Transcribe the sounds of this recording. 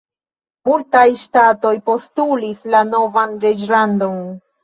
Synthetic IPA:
multajʃtato̞jpo̞stulislano̞vanɾed͡ʒlando̞n

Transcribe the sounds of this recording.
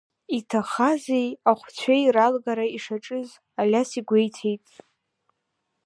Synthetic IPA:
itʰaχazejaχʷt͡ɕʷʰejralɡaɾaiʂaʈ͡ʂʼɨz | alʲasiɡʷe̞jtʰe̞jtʼ

